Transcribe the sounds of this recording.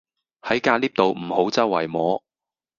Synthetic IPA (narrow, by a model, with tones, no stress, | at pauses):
hɐ˨˥jkaː˧liː˥p̚t̪o˨wm̩˨˩ho˨˥wt͡sɐ˥wɐ˨˩jmɔː˨˧